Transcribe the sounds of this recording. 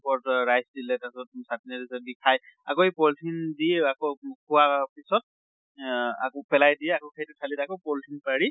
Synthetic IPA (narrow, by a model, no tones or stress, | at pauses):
pɔɹtɹajsdilɛtasɔtsatinadizɛbikʰaja̰kɔipɔltʰindiakɔkʰuwapisɔt̚ | a̰kɔpɛlajdiɛakɔkʰajtɛkʰalidakɔpɔltʰinpaɹi